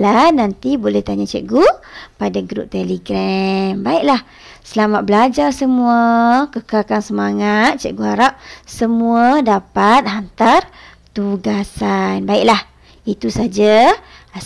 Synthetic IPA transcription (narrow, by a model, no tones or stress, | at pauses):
lanant̪ibolɛht̪aɲat͡ʃɛ̰ʔɡupadaɡɾṵp̚t̪ɛliɡɾɛmbaiʔlah | səlamat̪̚bəlad͡ʒarsəmũakəkakansəmaŋat̪̚t͡ʃɛ̰ʔ̚ɡuaɾap̚səmuadapat̪̚ɦant̪art̪uɡasanbaiʔ̚lah | it̪usad͡ʒa